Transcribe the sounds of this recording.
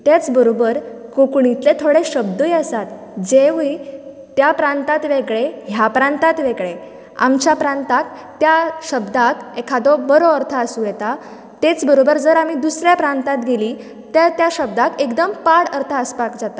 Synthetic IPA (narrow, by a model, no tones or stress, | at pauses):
t̪jat͡sbəɾobəɾkokɳit̪let̪ʰoɽeɕəb̚d̪əjəsat̪ | d͡ʑeʋi | t̪japɾãnt̪at̪ʋeɡɭeɦjapɾãnt̪at̪ʋeɡɭe | a̰mt͡ɕjapɾãnt̪ak̪ː | jaɕəbd̪akekʰad̪ɔbəɾɔəɾt̪ʰəəsũjɛt̪a | t̪et͡sbəɾobəɾd͡zəɾam̤id̪usɾjapɾãnt̪at̪ɡeli | t̪et̪jaɕəb̚d̪akekd̪əmpaɽəɾt̪ʰəəspakd͡zat̪a